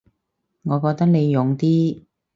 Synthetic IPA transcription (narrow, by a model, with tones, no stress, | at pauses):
ŋɔː˨˧kɔː˧k̚t̪ɐ˥k̚ne˨˧jːʊ˨˩ŋt̪iː˥